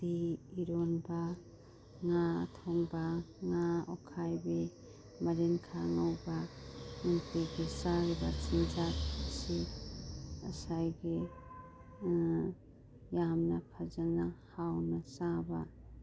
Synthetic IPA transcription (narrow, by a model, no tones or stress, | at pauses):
diiɾonba | ŋatʰoŋbaŋaɔ̰kʰajbe | mɐɾenkʰaŋawbamuŋtiɡesaɾbat͡ʃind͡ʒat̚asi | ɐsajɡe | jamnakʰazanahawnasaba